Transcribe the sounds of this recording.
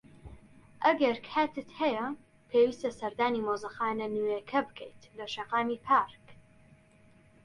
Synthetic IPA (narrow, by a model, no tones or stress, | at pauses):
ʔɐɡɐɾkʰaːt̪ʰɨt̪hɐjɐ | pʰeːwiːst̪ɐsɐɾd̪aːnimoːzɐxaːnɐnujekʰɐbɨkʰɛjt̪lɐʃɐqaːmipʰaɾk